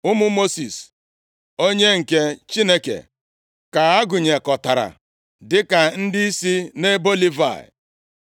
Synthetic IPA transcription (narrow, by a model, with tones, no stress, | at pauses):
ʊ˦mʊ˦mo˦si˨s | o˦ɲe˦ŋ̩˨ke˦t͡ʃi˦ne˦kḛ˨ | ka˨a˦ɡʊ˨ɲe˨kɔ˨ta˨ɾa̰˨ | dɪ˦ka˨n̩˦dɪ˦i˦si˦ne˦bo˦li˦va̰˨ɪ̰˨